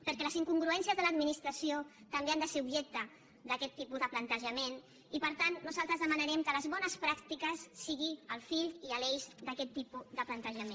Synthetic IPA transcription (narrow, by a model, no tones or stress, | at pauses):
pəɾkɛləziŋkuŋɡɾuɛnsiəzðələd̪minist̪ɾəsio | t̪əmbeand̪əseɾubʒɛk̚t̪ə | d̪əkɛt̪ːipuzðəplənt̪əʒəmen | ipəɾt̪anːuzalˠt̪ɾəzðəmənəɾɛmkələzβɔnəspɾakt̪ikəsːiɣiəlˠfiʎiəlɛjzd̪əkɛt̪ːipud̪əplənt̪əʒəmẽn